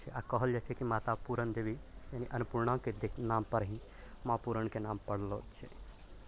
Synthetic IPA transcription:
t͡ʃʰeʔakɔɦəld͡ʒat͡ʃʰekimaːt̪apuːɾənd̪ebʱijaniʔɐnʊpuːɾɳãked̪eknaːmpəɾɦĩ | mãːpuːɾəɳkenaːmpəɽlo̰ːt͡ʃʰḛ

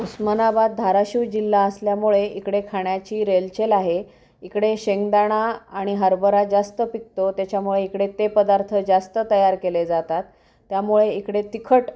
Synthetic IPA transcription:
usmənabad̪̚d̪ʱaɾaɕiwd͡ʑilːaəsljamuɭeikɽekʰaɳjat͡ɕiːɾelt͡ɕelaɦe | ikɽeɕeŋɡd̪aɽ̃aːɽ̃iɦəɾbəɾad͡zast̪əpik̚t̪ot̪jat͡ɕjamuɭeikɽet̪epəd̪aɾt̪ʰəd͡zast̪ət̪əjaɾkeled͡zat̪at̪ː | jamuɭeikɽet̪ikʰəʈ

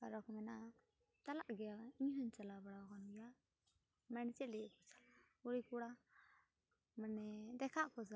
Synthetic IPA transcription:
kaɾɔkɔmɛna | t̪alaʔɡɛjaiɲɦəɲt͡ʃalabaɽawkɔnija | mɛɽt͡ʃɛlɛkɔt͡ʃḁla | uɽikuɽa | manɛd̪ɛkʰaʔkɔd͡ʒa

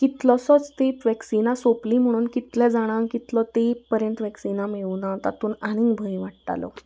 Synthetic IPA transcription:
kit̪lɔsɔt͡st̪epʋɛksinãsopliːm̤əɽ̃uːnkit̪lɛ̃d͡zaɽ̃ãŋkit̪lɔt̪epəɾjənt̪ʋɛksinameʋunat̪a̰t̪uːnaɽ̃ĩŋɡbʱəj̃ʋaʈʈa̰lɔ̰

